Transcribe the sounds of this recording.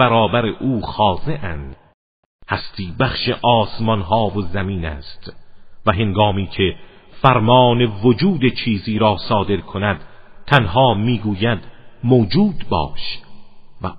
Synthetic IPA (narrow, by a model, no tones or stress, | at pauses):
æɾɒːbæɾeʔuːxɒːze̞ʔænd̪̥ | hæst̪ʰiːbæχʃḛʔɒːsmɒnɦɒːvozæmiːnæ̰ːst̪væɦeŋɡɒːmiːcʰe̞ | fæɾmɒːne̞vod͡ʒuːd̪e̞t͡ʃʰiːziːɾɒːsɒːd̪e̞ɾkʰonæd̪̥t̪ʰænhɒːmiːɡuːjæd̪moːd͡ʒuːd̪bɒ̰ːʃ | væ